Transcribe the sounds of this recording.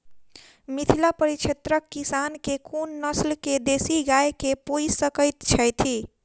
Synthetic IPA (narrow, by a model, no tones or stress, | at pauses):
mit̪ʰilapəɾit͡ʃʰet̪ɾəkːisankekʰunːəslked̪esiɡajkepujsəkəjt̪t͡ʃʰəjt̪ʰi